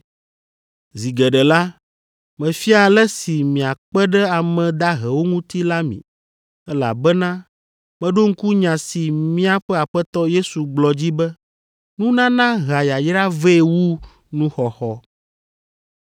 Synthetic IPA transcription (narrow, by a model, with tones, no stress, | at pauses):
zi˨ɡɛ˨ɖɛ˨la˦ | mɛ̃˨fi˦a˨lɛ˦si˨mĩ˨a˨k͡pɛ˦ɖɛ˦a˨mɛ̃˨d̪a˦ɦɛ˨wo˦ŋũ˦t̪i˦la˦mḭ̃˨ | ɛ˦la̰˨bɛ˦nã˦ | mɛ̃˦ɖo˦ŋ̩˦ku˦ɲã˨si˨mĩ˦a˦ɸɛ˦a˨ɸɛ˦t̪ɔ˦je˦su˨ɡ͡blɔ˨d͡ʑi˦bɛ˦ | nũ˦nã˦nã˦ɣa˨ja˨jɾa˦ve˦e˨wu˦ | nũ˦xɔ˨xɔ˦